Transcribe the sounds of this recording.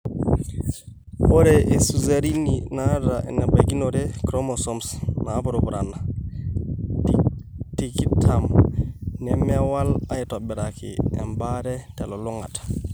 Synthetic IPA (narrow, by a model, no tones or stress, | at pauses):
wɔɾɛʔɛsuzaɾininaɾaʔɛ̰nabaɡinɔɾɛkɾɔmɔsɔmsnaːbuɾɔbuɾanːa | tikitʰam | nɛmɛwalajitɔɓɛɾakʰḭɛ̰mbaɾɛtɛlɔluŋa̰tḁ